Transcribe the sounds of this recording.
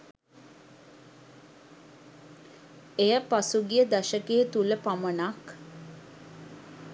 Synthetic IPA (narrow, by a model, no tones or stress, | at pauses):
ejəpasuɡijəd̪aʃəkeːt̪uləpamənak